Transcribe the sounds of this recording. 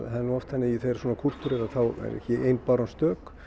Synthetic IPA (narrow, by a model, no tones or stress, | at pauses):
haðɾnuɔft̪θɛnːɪiθeɾ̥swɔːnakʰur̥t̪uɾeɾaθawɛ̰ɾɛ̰hcɪejnpaɾanst̪œːk